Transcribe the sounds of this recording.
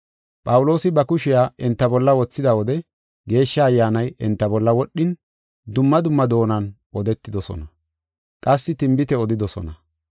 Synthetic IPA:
pʼɐwʊlo̞ːsɪbɐkʊʃɪjaːʔɪnt̪ːɐbɔlːɐwɔt͡sːɪd̪ɐwɔd̪ɛ | ɡe̞ːʃːɐːjːaːnɐjɪnt̪ːɐbɔlːɐwɔɗːɪn | d̪ʊmːɐd̪ʊmːɐd̪o̞ːnɐn | ʔɔd̪ɛt̪ːɪd̪ɔsɔ̰nɐ | kʼɐsːɪt̪ɪmbɪt̪ɛɔd̪ɪd̪ɔsɔ̰nɐ

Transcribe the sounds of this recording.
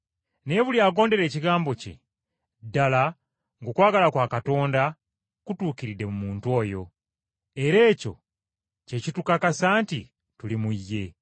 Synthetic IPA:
ne̞ːβuljaːɡo̞ːnde̞ɾe̞ːciɡaːmbo̞cḛ | dala | ŋɡokwaːɡalakwaːkato̞ːnda | kutuːkiɾide̞mumuːntuo̞ːjo̞ | e̞ɾe̞ːco̞̰ | ce̞citukakasaːnti | tulimujːe̞

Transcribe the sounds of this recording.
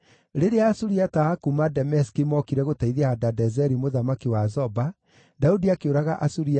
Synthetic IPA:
ɾeɾeaːsuɾiataakumadɛmɛskimɔkiɾɛɣotaiðiaadadɛzɛɾimoðamakiwazɔba | daudiakeoɾaɣaʔasuɾia

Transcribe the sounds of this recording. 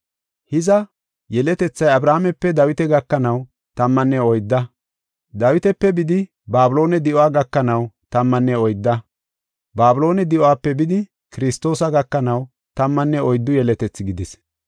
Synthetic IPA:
hɪzɐ | jɛlɛt̪ɛt͡sːɐjɐbɾaːmɛpːɛd̪ɐwɪt̪ɛɡɐkːɐnɐw | t̪ɐmːɐnːɛɔjd̪ːɐ | d̪ɐwɪt̪ɛpːɛbɪd̪ɪ | baːbʊlo̞ːnɛd̪ɪʔɔaːɡɐkːɐnɐwt̪ɐmːɐnːɛɔjd̪ːɐ | baːbʊlo̞ːnɛd̪ɪʔʊaːpːɛbɪd̪ɪ | kɪɾɪst̪o̞ːsɐɡɐkːɐnɐw | t̪ɐmːɐnːɛɔjd̪ːʊjɛlɛt̪ɛt͡sːɪɡɪd̪ɪs

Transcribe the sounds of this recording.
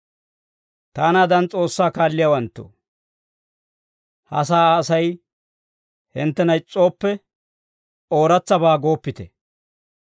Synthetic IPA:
t̪aːnaːd̪ɐnt͡sʼo̞ːsːaːkaːlːɪjawɐnt̪ːo̰ | hɐ̰s̬aːɐsɐj | hɪnt̪ːɛnɐjt͡sʼːo̞ːpːɛ | o̞ːɾɐt͡sːɐbaːɡo̞ːpːɪt̪ɛ

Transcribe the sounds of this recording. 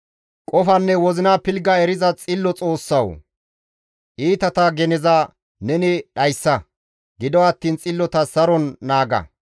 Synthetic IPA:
kʼɔfɐnːɛwɔzɪnaːpɪlɡɐɛɾɪzɐt͡sʼɪlːɔt͡sʼo̞ːsːɐw | ʔiːt̪ɐt̪ɐɡɛnɛzɐ | nɛnɪɗɐjsːɐ | ɡɪd̪ɔɐt̪ːiːnt͡sʼɪlːɔt̪ɐsɐɾɔnːaːɡɐ̰

